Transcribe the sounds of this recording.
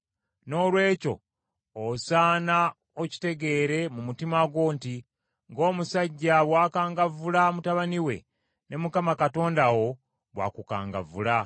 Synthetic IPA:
no̞ːlwe̞ːco̞̰ | osaːna | oci̥te̞ɡe̞ːɾe̞mumutimaɡo̞ːnti | ŋɡo̞ːmusaɟːaβwaːkaːŋɡavulamutaβaniwe̞̰ | ne̞mukamakato̞ːndawo̞ | βwa̰kuka̰ːŋɡa̰vṵla

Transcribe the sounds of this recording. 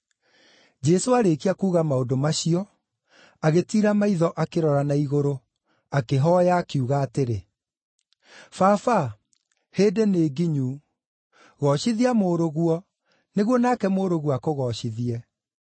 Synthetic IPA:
d͡ʑɛsoaɾekiakuːɣamaodomaɕiɔ | aɣetiːɾamaiðɔʔakeɾɔɾanaiɣoɾo | akeɦɔjaːkiuɣaːteɾe | fafa | heːdeneːɡiɲuː | ɣɔɕiðiamoːɾoɣuɔ | neɣwɔnaːkɛmoːɾoɣwɔakoɣɔɕiðiɛ

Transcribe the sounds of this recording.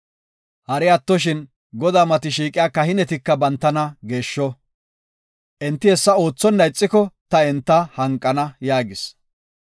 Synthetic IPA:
hɐɾɪɐt̪ːɔʃ̬ɪn | ɡɔd̪aːmɐt̪ɪʃiːkʼɪjaːkɐhɪnɛt̪ɪkːɐbɐnt̪ːɐnɐɡe̞ːʃːɔ | ʔɛnt̪ːɪhɛsːɐo̞ːt͡sːɔnːɐjɪt͡sʼːɪkɔt̪ɐɛnt̪ːɐhɐŋkʼːɐnɐjaːɡɪs

